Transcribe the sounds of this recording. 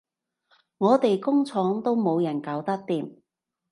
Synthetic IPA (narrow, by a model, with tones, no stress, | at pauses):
ŋɔː˨˧t̪e˨jkʊ˥ŋt͡sʰɔː˨˥ŋt̪o˥wmo˨˧wjɐ˨˩nkaː˨˥wt̪ɐ˥k̚t̪iː˨m